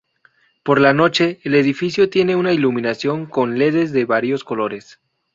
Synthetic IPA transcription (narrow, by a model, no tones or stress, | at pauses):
po̞ɾlano̞t͡ʃe̞ːle̞ðifisjo̞t̪je̞ne̞unailumĩnasjo̞ŋko̞nle̞ðe̞zðe̞βaɾjo̞sko̞lo̞ɾe̞s